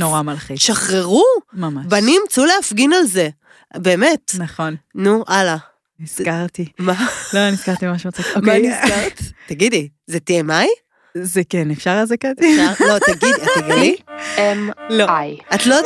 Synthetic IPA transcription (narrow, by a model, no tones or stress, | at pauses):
noʁamalχiʃaχʁeʁumamaʃbanimt͡suleafɡinalze̞ | be̞ːme̞tnaχo̞nnuʔala | niskaʁtimaloniskaʁt̪imaʃumat͡siomkaesaʁt̪taɡidi | zetiemaj | zekenefʃaʁazekeznalo̞t̪aɡidiat̪ːaɡidiemloajatlo